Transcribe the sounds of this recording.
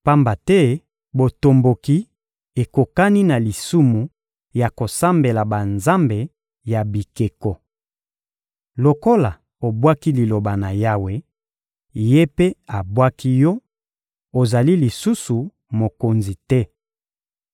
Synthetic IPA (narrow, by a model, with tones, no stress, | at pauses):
pa˦mba˨tɛ˦ | bo˨to˨mbo˨ki˦ | e˨ko˨ka˦ni˦na˨li˨su˦mu˨ | ja˨ko˨sa˦mbe˨la˨ba˨nza˦mbe˨ | ja˨bi˨ke˨kɔ˨ | lo˨ko˦la˨ | o˨bwa˦ki˦li˨lo˨ba˨na˨ja˦we˨ | je˦pe˦a˨bwa˦kʰi˦jɔ˦ | o˨za˨li˦li˨su˦su˨ | mo˨ko˨nzi˨tɛ˦